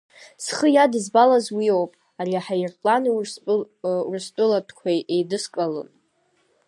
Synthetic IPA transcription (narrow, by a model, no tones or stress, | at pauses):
sχəjadɨzbalazwiowpʼ | ariaħajrpʼlan | ṵrstʼʊlatʰkʷʰajejdɨskʼalɨ̰n